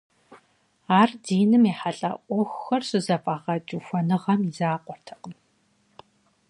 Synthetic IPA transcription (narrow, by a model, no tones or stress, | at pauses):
aːrdiːnɨmiːħaɬʼɐ̰ʔʷɔxʷxɐrsɨzɐpʼaːʁɐt͡ʃʼuxʷɔnɨʁɐmizaːqʷʼɔrtʰɐ̥qʼən